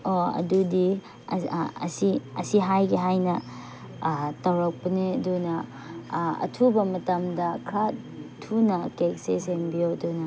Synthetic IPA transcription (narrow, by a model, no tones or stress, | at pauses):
oɐ̰dudi | ɐ̰siɐsiɦajɡiɦajnɐ | tɐwɾɐk̚pɐnedunɐ | ɐ̰tʰubɐmɐtɐmdɐkʰɾa | tʰunɐkek̚sesembijodunɐ